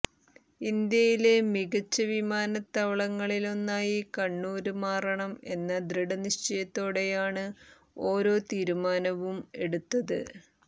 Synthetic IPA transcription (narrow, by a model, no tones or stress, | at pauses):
ind̪jɐjile̞miɣɐt͡ɕːɐʋimaːnɐt̪ːɐʋɐɭɐŋːɐɭilo̞nːaːjikɐɳːuːɾumaːrɐɳɐme̞nːɐd̪ɾiɽɐniʂt͡ɕɐjɐt̪ːo̞ːɽe̞jaːɳɨ | o̞ːɾo̞ːt̪iːɾumaːnɐʋume̞ɽut̪ːɐðɨ